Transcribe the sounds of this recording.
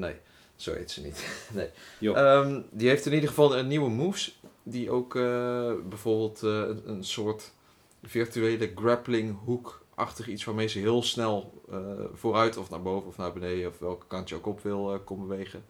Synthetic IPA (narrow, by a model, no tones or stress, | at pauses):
nḛj | z̥o̰wḛjtsənḭtnejəmdiɦejftɪnidəχəvɑlˠənːiwəmusdiʔowkəbɛjv̥oːɹbɪːlˠtənənsoːɹt | fɪɹtyeːləɡrɛplɪŋɦukʔɑ̰χtəχitsʋaːɹmejzəɦɪːəlˠsnɛlˠəv̥oːrœɥtɔfnaːɹbowvənɔfnaːɹbənejdəɔfʋɛlˠkə̥kɑntjəowkɔpʋɪlˠkɔmbəʋejχən